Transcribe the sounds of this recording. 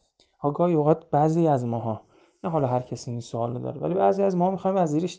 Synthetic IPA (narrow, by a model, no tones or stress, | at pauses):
ʔɒːɡɒːjoɣæd̪bæziːæzmɒːɦɒː | næɦɒːlɒːɦæɾcʰæsiːninsoɒːlod̪ɒ̰ːɾevæ̰libæːziæzmɒːhɒːmixɒjnvæziːɾeʃ